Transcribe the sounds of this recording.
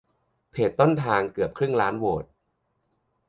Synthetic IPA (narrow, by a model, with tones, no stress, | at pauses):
pʰeː˨˩t̪ːo˥˩nt̪ʰaː˧ŋkɯ˨˩əp̚kʰɾɯ˥˩ŋlaː˦˥nwoː˨˩t̪̚